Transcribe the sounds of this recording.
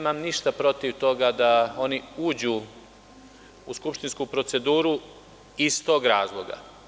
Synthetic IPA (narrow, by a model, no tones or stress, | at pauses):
emamniʃt̪apɾo̞t̪iʋt̪o̞ɡad̪ao̞niuːd͡ʑuː | uskupʃt̪inskupɾo̞t̪se̞d̪uːɾu | ist̪o̞ːɡɾaːzlˠo̞ɡa̰